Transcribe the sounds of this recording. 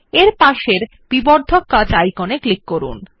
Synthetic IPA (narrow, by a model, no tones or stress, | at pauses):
eɾpaʃeɾ | b̥iboɾd̪ʱokːat͡ɕajkoneklikːoɾṵn